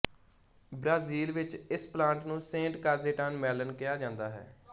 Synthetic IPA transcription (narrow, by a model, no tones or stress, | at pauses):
bɾaːziːlʋɪt͡ʃɪsplãːɳʈnũːsẽːɳʈkaːzeːʈaːnmɛːlənkɪjaːd͡ʒãːnd̪aːɦɛ̰ː